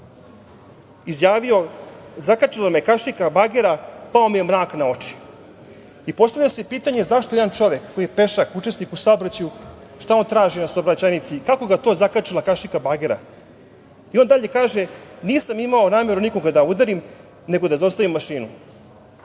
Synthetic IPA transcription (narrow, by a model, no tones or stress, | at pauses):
izjaːʋio̞zakat͡ʃilamekaʃikabaɡeɾapao̞mijemɾaːknao̞t͡ʂi̥ | ipo̞st̪avʎasepiːt̪aɲe̞zaʃt̪ojd̪ant͡ʂo̞ʋekkːojijepeʃakut͡ʃesnikusaobɾat͡ɕajuʃt̪ao̞nt̪ɾaːʒinasabɾat͡ɕanit̪sikako̞ɡat̪o̞ːzakat͡ʃilakaʃikabaɡeɾa̰ | io̞nd̪aʎe̞kaːʒeniːsamimaonaːme̞ɾuniko̞ɡad̪aud̪aɾim | ne̞ɡo̞d̪azaost̪aʋimːaʃiːnu